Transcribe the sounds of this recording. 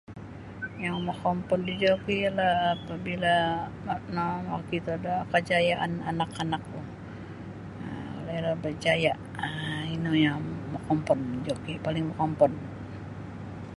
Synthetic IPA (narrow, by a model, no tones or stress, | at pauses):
jaŋmɔkɔmpɔndid͡ʒokijalahapabila | namakit̪uadakəd͡ʒajaʔananakanak̚lu | o̰lailahbəd͡ʒajaʔ | inujaŋmɔkɔmpɔnd͡ʒokipalɪŋmɔkɔmpɔn